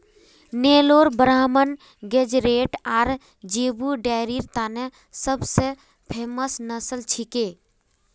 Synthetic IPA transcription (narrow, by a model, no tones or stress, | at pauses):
neːloːɾbəɾaːmən | ɡed͡ʒɾeːʈaːɾ | d͡ʒebuɖaɾiɾt̪aːne | səbse | pʰeːməsnəsəlt͡ʃʰikeː